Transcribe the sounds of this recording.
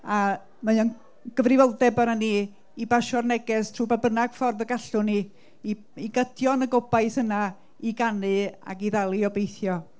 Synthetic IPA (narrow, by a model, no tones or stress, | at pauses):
a | majɔn | ɡ̥əvrɪvɔlˠdɛbanani | ibaʃɔrnɛɡɛstʰruːbabənaɡ̥fɔrðəɡaɬʊni | i | iɡədʰjɔnəɡobajθəna | iɡanɨa̰ɡiðalˠiɔbejθjɔ